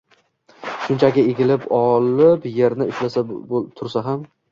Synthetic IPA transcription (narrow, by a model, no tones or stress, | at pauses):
ʃʊnt͡ʃʰakʲɪeɡʲɪlɪpɒlɪpje̞ɾnɪʊʃlasat̪ʰʊɾsaɦam